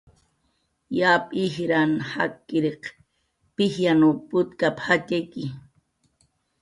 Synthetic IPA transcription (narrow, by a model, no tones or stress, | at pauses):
jaːpʼihɾanha̰kːiɾeq | pihjanupʊt̪kaphateki